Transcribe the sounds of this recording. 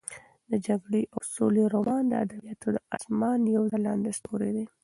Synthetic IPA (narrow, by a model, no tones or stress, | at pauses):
d̪əd͡ʒaɡɽeʔawsoleɾomɑnd̪əa̰d̪abijɑt̪ʰod̪əɑ̰smɑnjawzalɑnd̪espʰoɾed̪e